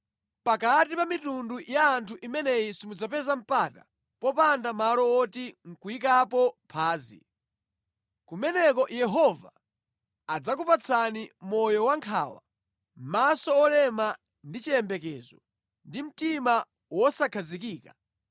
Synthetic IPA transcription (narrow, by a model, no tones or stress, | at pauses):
pakatipamitundujaːntʰuʔimɛnɛisimud͡zapɛzam̩pata | pɔpandamalɔɔtiŋ̩kuik̬apɔpʰaːzḭ | kumɛnɛk̬ɔjɛɦɔva | ad͡zak̬upat͡sʰanimɔjɔwaŋkʰa̰ːwa̰ | m̩masɔːlɛma | ndit͡ʃiɛmbɛkɛːzɔ | ndim̩tima | wɔsakʰazikiːka